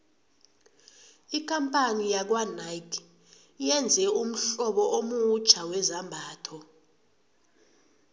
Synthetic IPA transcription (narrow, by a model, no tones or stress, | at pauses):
ik̬ʰʼampʼanijak̬wanaikʰ | jɛnd͡zʱɛum̩ɬɔɓɔʔomut͡ʃʰawɛzambʱaːtʰɔ